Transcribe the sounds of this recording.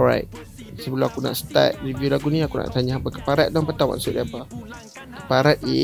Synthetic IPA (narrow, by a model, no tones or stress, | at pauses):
ɔɹa̰jt̚ | səbəlɔakuna̰ʔsə̥t̪a̰t̚ɾivjulaɡuniakuna̰ʔt̪aɲaapəkə̥paɾat̪̚dɔŋpət̪awa̰nsʊʔdiapa | kəpaɾat̪̚i